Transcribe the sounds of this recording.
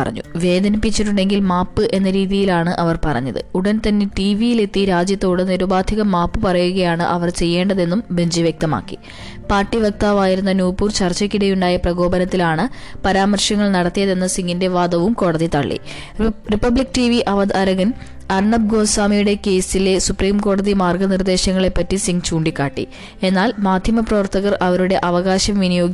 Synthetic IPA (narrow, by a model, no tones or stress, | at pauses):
ɐrɐ̰ɲːṵʋe̞ːd̪ɐnipːit͡ɕːiʈːuɳɖe̞ŋɡilmaːpːɨʔe̞nːɐɾiːðijilaːɳɨʔɐʋɐrpɐrɐ̰ɲːɐðɨ̰uɽɐnt̪ɐnːe̞ʈiːʋijile̞t̪ːiɾaːd͡ʑjɐt̪ːo̞ːɽɨniɾubaːd̪ʱiɣɐmaːpːɨpɐrɐjuɣɐjaːɳɨʔɐʋɐrt͡ɕe̞jːe̞ːɳɖɐðe̞nːumbʱe̞ɲd͡ʑiʋjek̚t̪ɐma̰ːkːi̥̰ | paːrʈːiʋɐk̚t̪aːʋaːjiɾunːɐnjuːpːuːrt͡ɕɐrt͡ɕːɐkːiɽɐjuɳɖaːjɐprɐɣo̞ːbɐnɐt̪ːilaːɳɨpɐɾaːmɐrʂɐŋːɐɭnɐɽɐt̪ːijɐðe̞nːɐsiŋɡinde̞ʋaːd̪ɐʋumko̞ːɽɐðit̪ɐɭːḭ | ripːɐblik̚ːʈiʋiʔɐʋɐd̪ɐɾɐɣɐn | ɐrɳɐb̚ɡo̞ːnsaːmijuɽe̞ke̞ːsile̞supriːmko̞ːɽɐðimaːrɡɐnird̪e̞ːɕɐŋːɐɭe̞pːɐtːisiŋɡt͡ɕuːɳɖikʲːaːʈːḭ | e̞nːaːlmaːd̪ʱjɐmɐprɐʋɐrt̪ʰɐɣɐrɐʋɐɾuɽe̞ʔɐʋɐɣaːɕɐmʋinijo̞ːɡj